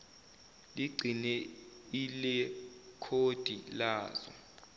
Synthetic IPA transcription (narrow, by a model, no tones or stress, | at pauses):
liɡ͡ǀʱinɛilɛkʰod̥ʱilaːzɔ̰